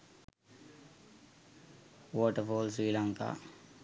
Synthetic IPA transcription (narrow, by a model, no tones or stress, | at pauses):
wɔːʈəɾfoːlswiːlaŋka̰